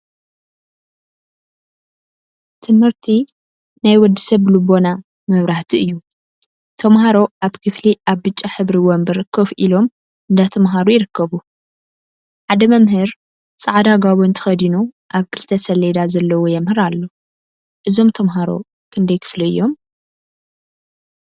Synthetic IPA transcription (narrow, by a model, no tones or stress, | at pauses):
t̪ʰɨmhɨɾt̪ʰi | najwɔd̪ːisɐβlubo̞na | mɐβɾaħt̪ʰiɨjːu | t̪ʰɐmɦaɾo̞ʔaβkʰɨfliʔaβːɨt͡ʃʼːaħɨβɾiwonbɨɾɨkʰːoβʔilo̞m | ɨnd̪at̪ʰɐmɦaɾujɪɾɨkʰːɐβu | ħad̪ɐmɐmɦɨɾ | sʼɨʕd̪aɡaβuɨnt̪ʰɨ̥xɐd̪inuʔaβkʰɨlt̪ʰɐsɐled̪azɐlːɐwojɛmhɨɾalːo̞ | ʔɨzo̞mt̪ʰɐmɦaɾo̞̰ | kʰɨnd̪ɐjkʰɨ̥fliɨ̰jːo̞m